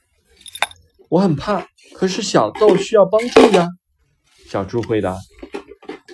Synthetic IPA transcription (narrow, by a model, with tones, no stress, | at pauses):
wɔ˧˥xə˨˩npʰa˥˩ | kʰɤ˨˩ʂɻ̩˥˩ɕjɑ˨˩ʊt̪o˥˧ʊɕy˥jɑ˥˩ʊpɑ˥ŋʈ͡ʂu˥˩d̪a˧ | ɕjɑ˨˩ʊʈ͡ʂu˥xwe˧˥ɪt̪a˧˥